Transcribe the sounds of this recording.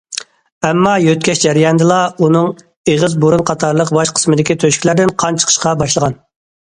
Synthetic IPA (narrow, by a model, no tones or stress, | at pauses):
ɛmːɑjøt̪̚kʲɛʃd͡ʒæɾijɑnd̪ɨlˠɑunɨŋ | eʁəzboɾunqʰɑt̪ʰɑɾlˠəqbɑʃqʰə̥smɨd̪ɪkʲit̪ʰøʃkʲilæɾd̪ɪnqʰɑnt͡ʃʰə̥qʰə̥ʃqɑbɑʃlˠəʁɑn